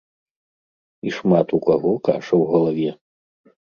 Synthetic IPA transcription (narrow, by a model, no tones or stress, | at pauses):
iʂmat̪ukaɣɔka̰ʂɐwɣɐlˠavʲɛ